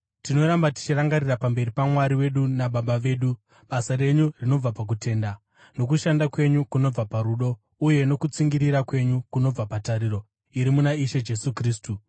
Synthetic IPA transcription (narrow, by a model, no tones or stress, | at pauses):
tino̞ɾambati̥t͡ʃiraŋɡaɾirapambe̞ɾipamwaɾiwe̞ɗunaɓaɓaʋe̞ːɗu | ɓasaɾe̞ɲurino̞b͡vapak̬ute̞ːnda | no̞kuʃandakwe̞ɲukuno̞b͡vapaɾuɗo̞ | uje̞no̞kut͡siŋɡiɾiɾakwe̞ɲukuno̞b͡vapataɾiɾo̞ | iɾimunaiʃed͡ʒe̞sukriːstu